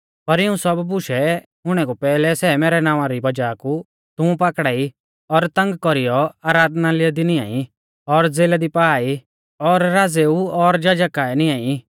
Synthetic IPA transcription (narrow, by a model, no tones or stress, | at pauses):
pɐɾɪũsɔbbʊʃɛ | ɦʊɽ̃ɛkupɛːlɛsɛːmeːɾɛnãːʋ̃ãɾibɐd͡ʒaːku | t̪ʊ̃ũpaːkɽaːi | ɔɾt̪ɐ̃ŋɡkɔɾijɔaːɾaːd̪nalɪad̪inɪjã̰ːi | ɔɾd͡zeːlad̪ipaːi | ɔɾːaːd͡zeuɔɾd͡ʒad͡ʒəkaːɛnɪ̃jãːi